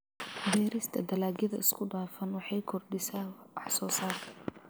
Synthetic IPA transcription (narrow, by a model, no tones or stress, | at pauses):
bɛːɾɪst̪ʰɐd̪ɐlaːɡjɪðɐɪskʰʊd̪aːfɐnwɑħɑjkʰɔrɖɪsaːɑħsɔːsaːtʰɐ